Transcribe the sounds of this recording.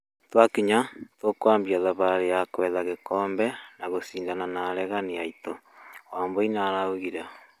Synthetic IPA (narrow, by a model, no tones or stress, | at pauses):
twakiɲatwokwaːmbiaðaβaɾejakwɛːðaɣekɔːmbɛnaɣosiːndananaɾɛɣaniaitowaːmboinaɾauɣiɾa